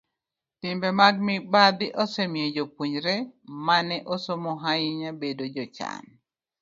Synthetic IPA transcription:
tɪmbɛmaɡ̚mɪbad̪ɪʔɔsɛmjed͡ʒopuɲɾɛmanɛʔosomɔɦajiɲabedod͡ʒɔt͡ʃa̰n

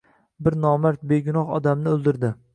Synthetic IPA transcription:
bɪɾnɒmaɾt̪̚be̞ɡʲʊnɒχɒ̰d̪amnɪɵlˠd̪ɪɾd̪ɪ

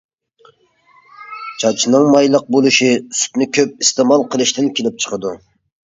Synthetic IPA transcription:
t͡ʃʰɑt͡ʃʰinɨŋmɑjlˠəq̚bolˠɨʃisy̥t̪nɪkʲʰøp̚ist̪emɑlˠqʰəlˠɨʃt̪ɪnkʲʰelɪp̚t͡ʃʰə̥qʰəd̪u

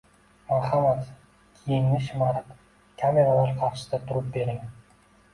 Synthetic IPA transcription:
maχɑmat̪ | kʲʰijɪŋnɪʃɪmɑɾɑt̪ | kʲʰameɾalˠɑɾqʰɑɾʃɨ̥st̪ɑt̪ʰʊɾʊp̚beɾɪŋ

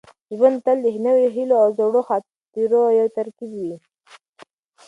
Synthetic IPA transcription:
ʒwand̪̚t̪ald̪əɦnəweɦiloawzoɽoxa | iɾojawt̪aɾkibwi

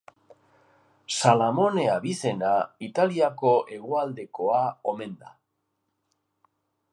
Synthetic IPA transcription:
salamo̞ne̞aβise̞nait̪aliako̞ʔe̞ɣ̞oald̪e̞ko̞aome̞nd̪a̰

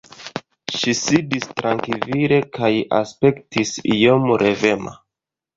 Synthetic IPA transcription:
ʃisidistɾaŋkiviɾe̞kaja̰spe̞ktisijomɾʔe̞ve̞ma̰

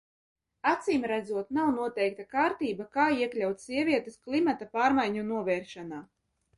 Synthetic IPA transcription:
at̪siːmɾæd̪zuɔt̪nawnuɔt̪ɛjk̚t̪akaːɾt̪iːbakaːiɛklʲawt̪ʲsʲiɛvʲiɛt̪esklˠimat̪apaːɾmajɲunuɔvɛːɾʃanaː

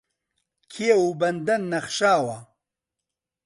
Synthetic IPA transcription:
kʰieubɐnd̪ɐnːɐχʃaːwɐ

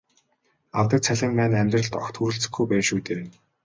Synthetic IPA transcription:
awt̪ə̆k̚t͡sʰæɮʲɪ̆mpæːnæmʲt̪rə̆ɮt̪ɔxt̪ʰxuɾɘ̆ɬt͡sɘ̆xɡujpæːʃuːt̪eːɾeːn

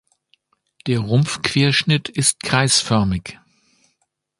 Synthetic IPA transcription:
d̥eːɐʁʊmfkv̥eːɐʃnɪtʰɪst̚kʁ̥aɪsfœɐmɪç

